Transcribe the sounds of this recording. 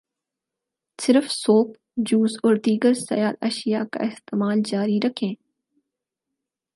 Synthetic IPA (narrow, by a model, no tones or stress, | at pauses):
sɪɾəfsoːk | d͡ʒuːzɔːɾd̪iːɡəɾsɐ̰jaːd̪ɐ̰ʃijaka̰ɪst̪eːmaːld͡ʒaːɾiɾɐkʰẽː